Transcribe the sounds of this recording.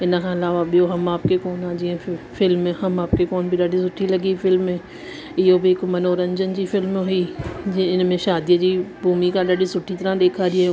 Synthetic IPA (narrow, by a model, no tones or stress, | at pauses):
ɪnəkʰãːɪlaːʋaɓijoɦɐmaːpkekɔːnaːd͡ʑiːẽfɪlmɦɐmaːp̚kekɔːnbʱiɗaːɖisʊʈʰːilɐɡifɪlmẽ | ɪɦobiɪkmɐnoːɾə̃ɲd͡ʑənd͡ʑiːfɪlmɦʊiːɪɪnmẽʃaːd̪ijəd͡ʑiːbʱuːmikãɗaːɖisʊʈʰit̪ɐɾãɗ̪eːkʰaːɾĩ